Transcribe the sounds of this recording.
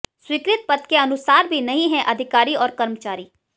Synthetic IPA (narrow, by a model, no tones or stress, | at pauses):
swiːkɾɪt̪̚pət̪keɐnʊsaːɾbʱinɐɦĩɦɛʔɐd̪ʱɪkaːɾiɔːɾkəɾmət͡ʃaːɾiː